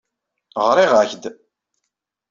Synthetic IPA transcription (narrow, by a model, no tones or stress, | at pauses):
ʁɾiʁæçd̪